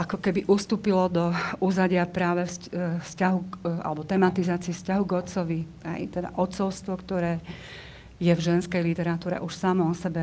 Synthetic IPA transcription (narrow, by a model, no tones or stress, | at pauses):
ʔakɔkɛbiʔust̪uːpilɔd̪ɔuzaɟɪapɾaːʋɛfsfscaɦuka̰lɛbɔt̪ɛmat̪izaːt͡siɛfscaɦuɡɔt̪t͡sɔʋi | ɦɛ̰jt̪ɛd̪a̰ʔɔt̪t͡sɔʊst̪ʋɔkt̪ɔɾɛː | jɛvʒɛnskɛjlit̪ɛɾat̪uːɾɛ̰ʔuʃsamɔɔsɛbɛ